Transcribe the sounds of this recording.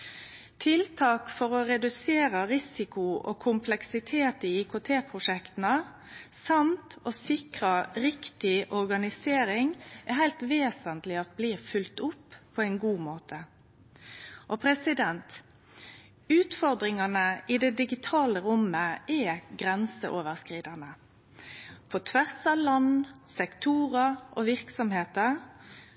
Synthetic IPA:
t̪ʰɪlt̪ʰɑːkfɔɾɔɾɛd̪ʉseːɾəɾɪsɪkʊʔo̰kʰʊmpʰlɛksɪt̪ʰeːt̪iːɪkʰot̪ʰeːpʰɾʊʂɛkt̪n̩ə | sɑmt̪oːsɪkʁəɾɪkt̪ɪʔɔɾɡɑnɪseːɾɪŋæɦæɪlt̪ʋeːsənt̪lɪɑt̪̚bliːfʉlt̪ʊpːʰɔːɛɪnɡuːmoːt̪ʰə | ʔɔpʰɾɛsɪd̪ɛnt̪ | ʉːt̪fɔʁd̪ʁɪŋɑnəʔɪd̪ɛd̪ɪɡɪt̪ʰɑːləɾʊməʔɛɡɾɛnsəʔoːʋəʁskʁiːd̪ɑnə | pʰɔt̪ʰʋæʁsɑʋlɑnsɛkt̪ʰuːʁəʔɔʋɪʁksɔmheːt̪ə

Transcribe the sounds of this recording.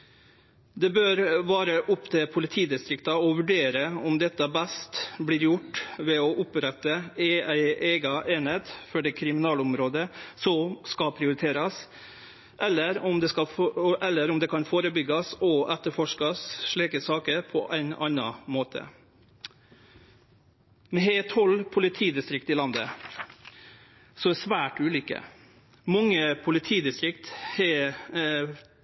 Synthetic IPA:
d̪ɛbøːɾʋɑːɾəʔʊpt̪ʰɪlpʰʊlɪt̪ʰiːd̪ɪst̪ɾɪkt̪ɑɔʋʉɖeːɾəɔmd̪ɛt̪ːɑbæst̪bliːɾjʊʈːʋɛɔʔʊpɾɛt̪ːəɛæɪʔeːɡɑʔeːneːt̪fɔɖɛːkʰɾɪmɪnɑːlʊmɾoːd̪əsɔskɑpʰɾɪʊɾɪt̪ʰeːɾɑs | ʔɛlːəɾɔmd̪ɛskɑɛlːəɾɔmd̪ɛːkʰɑnfoːɾəbʏɡɑsɔʔɛt̪ːəɾfɔʂkɑsʂɭiːkəsɑːkəɾpʰɔ̰ʔæɪnɑnːɑmoːt̪ʰə̰ | mɛɦeːt̪hɔlːpʰʊlɪt̪ʰiːd̪ɪst̪ɾɪk̚t̪ɪlɑnd̪ə | sɔæsʋæːʈʉːlʏːkə̰ | mɑŋːəpʰʊlɪt̪ʰiːd̪ɪst̪ɾɪkt̪hɛ

